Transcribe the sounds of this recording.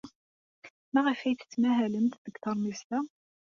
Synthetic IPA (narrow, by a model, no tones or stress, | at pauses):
mæʁəfæjt͡sːə̥t͡sːmæɦæləmt̪ðəɡθɑɾˤmist̪æ